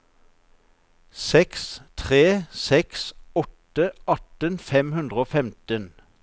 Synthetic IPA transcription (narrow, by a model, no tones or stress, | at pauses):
sɛkst̪ʰʁeːsɛksɔt̪əʔɑt̪ənfɛmhʉnd̪ʁəoːfɛmt̪ən